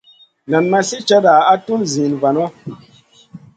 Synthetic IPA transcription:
na˨nːa˦si˦t͡ʃa˦da˨a˦tu˦nzĩ˨nva˨nɔ˦

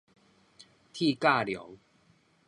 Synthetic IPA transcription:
t̪ʰi˥˧ka˥˧ljɔ̰˨˦w

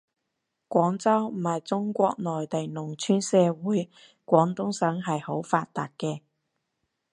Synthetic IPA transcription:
kʷɔː˨˥ŋt͡sɐ˥wm̩˨˩hɐ˨jt͡sʊ˥ŋkʷɔː˧k̚nɔː˨jt̪ɐ˨˩jnʊ˨˩ŋt͡ʃʰyː˥nsɛː˧wuː˨˥j | kʷɔː˨˥ŋt̪ʊ˥ŋsœː˨˥ŋɦɐ˨jho˨˥wfaː˧t̚t̪aː˨t̚kɛː˧

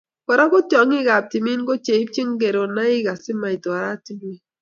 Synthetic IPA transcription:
kɔ˨ɾa˦kɔ˦t͡ʃɔ˨˦ŋɪ˦ɡa˨p̚ti˨mi˦nko˦t͡ʃe˨i˦p̚t͡ʃi˦ŋɡe˨ɾo˨na˦ɪ˦ka˨sɪ˦ma˨i˨ta˨ɾa˦ti˦mi˦

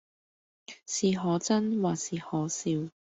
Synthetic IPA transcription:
siː˨˩ɦɔː˨˧t͡sɐ˥nwaː˨siː˨˩hɔː˨˥siː˧w

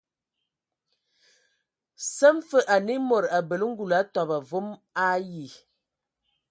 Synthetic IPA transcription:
sə˦m˦fə˦ʔa˨ni˦mo˨ɾa˨bə˨lə˦ŋ̩˦ɡu˨la˨˦tɔ˨ba˨vo˦ma˦ji˨

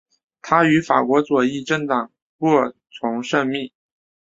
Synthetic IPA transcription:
t̪ʰa˥y˧˥fa̰˨˩kwɔ˧˥t͡swɔ˨˩i˥˧ʈ͡ʂə˥˩ŋt̪ɑ˨˩ŋ | kwɔ˥˩t͡sʰʊ˧˥ŋʂə˥˧ŋmi˥˩

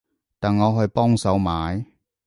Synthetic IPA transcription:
t̪aː˨nŋɔː˨˧ɦɵ˧ɥpɔː˥ŋsɐ˨˥wmaː˨˧j

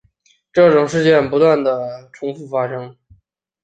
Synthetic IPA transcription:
ʈ͡ʂɤ˥˩ʈ͡ʂʊ˨˩ŋʂ̬ɻ̩˥˧t͡ɕjɛ˥˩npu˧˥t̪wa˥˩nd̪ə˩ʈ͡ʂʰʊ˧˥ŋfu˥˩fa˥ʂɤ˥ŋ

